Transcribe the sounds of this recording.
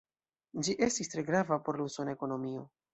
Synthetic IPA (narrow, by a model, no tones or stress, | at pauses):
d͡ʒiʔe̞stistɾe̞ɡɾavapo̞ɾlusone̞ko̞no̞mio̞